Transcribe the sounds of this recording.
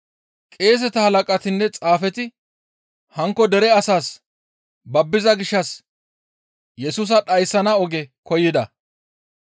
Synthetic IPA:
kʼe̞ːs̬ɛt̪ɐhɐlɐkʼɐt̪ɪnːɛt͡sʼaːfɛt̪ɪ | hɐŋkːɔd̪ɛɾɛɐsaːs | bɐbːɪzɐɡɪʃːɐs | jɛsuːs̬ɐɗɐjsːɐnɐɔɡɛkɔjɪd̪ɐ

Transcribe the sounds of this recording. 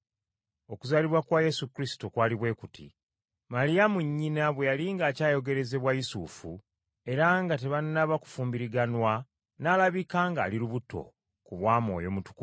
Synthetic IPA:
o̞kuzaliβwakwaje̞sukɾisi̥tokwaːliβwe̞ːkutʰḭ | malijamuɲːinaβwe̞jaliŋɡaːcaːjo̞ɡe̞ɾe̞ze̞βwajisuːfṵ | e̞ɾaŋɡate̞βanːaβaku̥fuːmbiɾiɡanwa | naːlaβikaːŋɡa̰ːliɾuβuto̞̰ | kuβwaːmo̞̰ːjo̞mutu̥ku

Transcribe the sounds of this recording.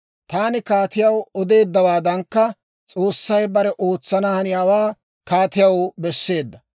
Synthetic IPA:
t̪aːnɪkaːt̪ɪjɐwɔd̪e̞ːd̪ːɐwaːd̪ɐŋkːɐ | t͡sʼo̞ːsːɐjbɐɾɛʔo̞ːt͡sːɐnɐhɐnɪjaːwaː | kaːt̪ɪjɐwbɛsːe̞ːd̪ːɐ

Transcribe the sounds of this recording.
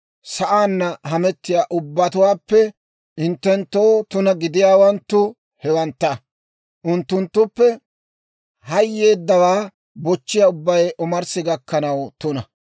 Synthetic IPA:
sɐʔaːnːɐɦɐmɛt̪ːɪjaːʔʊbːɐt̪ʊwaːpːɛ | ɪnt̪ːɛnt̪ːoːt̪ʊnɐɡɪd̪ɪjaːwɐnt̪ːʊ | hɛwɐnt̪ːɐ | ʔʊnt̪ːʊnt̪ːʊpːɛ | hɐjːe̞ːd̪ːɐwaː | bɔt͡ʃːɪjaːʊbːɐjʔʊmɐɾsɪɡɐkːɐnɐwt̪ʊnɐ

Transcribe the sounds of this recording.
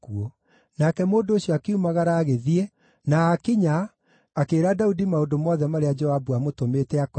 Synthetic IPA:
kuɔ | nakɛmoːndooɕjɔakeumaɣaɾaːɣeðie | naːkiɲaː | keːɾadaudimaondomɔðɛmaɾead͡ʒɔabuamotomeːtɛak

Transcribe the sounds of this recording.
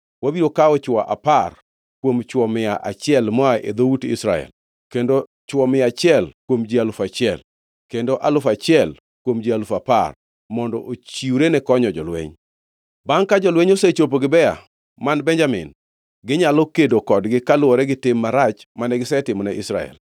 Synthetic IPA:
wabiɾokaɔt͡ʃwa̰ʔa̰par | kwomt͡ʃwɔmɪaʔa̰t͡ʃɪɛlmɔaʔed̪outɪ̰sɾa̰ɛ̰l | kendo | t͡ʃwɔmɪat͡ʃɪɛlkwomd͡ʒialʊfat͡ʃɪɛl | kendoʔalʊfat͡ʃɪɛl | kwomd͡ʒialʊfapa̰r | mɔndɔ̰ʔot͡ʃiuɾenɛkɔɲɔd͡ʒɔlwḛɲ | baŋkad͡ʒɔlweɲoset͡ʃop̬oɡɪbɛa̰ | manbɛnd͡ʒamɪ̰n | ɡɪɲalokedokɔdɡɪkalʊwɔɾɛɡɪtɪmːaɾat͡ʃmanɛɡɪsɛtɪmɔnɛʔɪsɾa̰ɛ̰l

